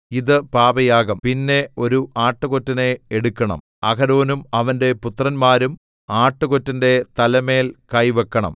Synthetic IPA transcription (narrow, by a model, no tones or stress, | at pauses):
iðɨpaːbɐjaːɡɐmpinːe̞o̞ɾuʔaːʈːɨɣotːɐne̞ːɽukːɐɳɐ̰m | ɐɣɐɾo̞ːnumɐʋɐnde̞put̪rɐnmaːɾum | aːʈːɨɣotːɐnde̞t̪ɐlɐme̞ːlkɐjʋekːɐɳɐ̰m